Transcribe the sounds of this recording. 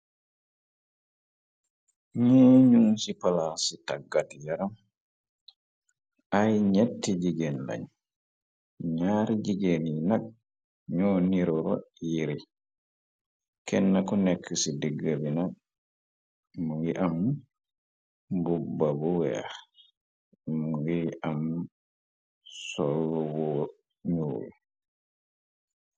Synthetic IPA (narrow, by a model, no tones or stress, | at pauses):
ɲɛːɲuŋsipalasitaɡːatijaɾam | ʔajɲɛtːid͡ʒiɡenla̰ɲ | ɲaɾid͡ʒiɡeninak̚ | ɲɔːniɾɔɾɔ̰jiɾi | kɛnːakɔnɛkʰːisidiɡabinak̚ | muwiʔam | bubabɔwɛ̰ | muwiʔam | sɔlwɔ | ɲuːlṵ